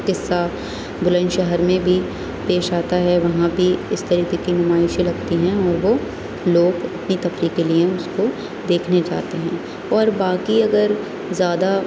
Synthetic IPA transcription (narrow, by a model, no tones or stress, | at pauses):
kɪsːa | bʊlə̃nʃɛɦəɾmẽbʱi | peːʃaːt̪aɦɛʋɐɦãbʱiɪst̪ɐɾiːkekinʊmaːɪʃilɐɡt̪iɦɛ̃ɔːɾʋo | loːɡɐpnit̪ɐfɾikelieʊsko | d̪eːkʰned͡ʒa̰ːt̪eɦɛ̃ː | ɔːɾbaːkiɐɡəɾ | zjaːd̪a